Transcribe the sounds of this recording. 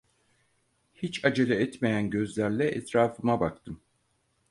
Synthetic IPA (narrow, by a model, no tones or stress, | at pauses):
hit͡ʃad͡ʒelʲɛɛt̪mejænɟø̞zlʲæɾlʲɛʔɛt̪ɾaːfɯmabakt̪ʰɯm